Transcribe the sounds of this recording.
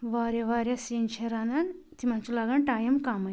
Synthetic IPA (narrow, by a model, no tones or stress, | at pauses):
ʋaːɾjɐʋaɾʲjasint͡ʃʰeɾanan | t̪imant͡sulaɡanʈaːjɐmkamɐ